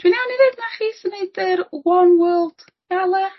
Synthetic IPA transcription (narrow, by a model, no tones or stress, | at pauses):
d̥winawniɾɪðnaχiːsɪneɨdɨɾwɔnwɜːlˠd̥ | ɡ̥alˠɛ